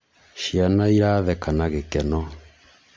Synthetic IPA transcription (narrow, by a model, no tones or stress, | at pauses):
ʃianaiɾaðɛkanaɣekɛnɔ